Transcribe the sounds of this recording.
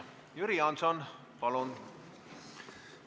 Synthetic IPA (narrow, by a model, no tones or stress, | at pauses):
jyɾiɑnsɑn | pɑlon